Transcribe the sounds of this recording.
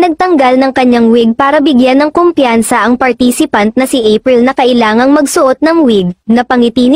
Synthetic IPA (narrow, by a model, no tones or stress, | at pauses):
nɐɡ̚t̪ɐŋɡɐlnɐŋkɐɲːaŋwɪɡ̚paːɾɐbɪɡjanːɐŋkompjansɐʔɐŋpɐɾt̪isɪpɐnt̪̚nɐsɪʔejpɾɪlnɐkɐʔɪlaːŋɐŋmɐɡsʊʔot̪̚nɐŋwɪɡ̚nɐpɐŋɪt̪iːn